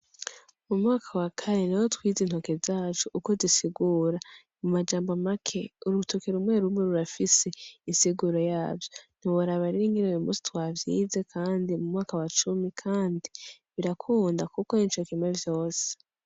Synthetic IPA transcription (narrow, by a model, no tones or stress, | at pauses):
mumŋaːkʰawakʰaɾe̞niwotwiːziːn̥hokezaːt͡ʃuʔːko̞zisiɡuːɾa | mumad͡ʒaːmbamakʰe̞uɾutʰokeɾumŋe̞ɾumŋe̞ɾuɾafise̞insiɡuɾo̞jaːvjon̥hiwoɾaβaɾiɾiŋɡiɾojumṵsi̥twaːvjiːze̞kʰaːndimumŋaːkawat͡ʃumikʰaːndiβiɾakʰuːndakukoint͡ʃokimwevjo̞ːse̥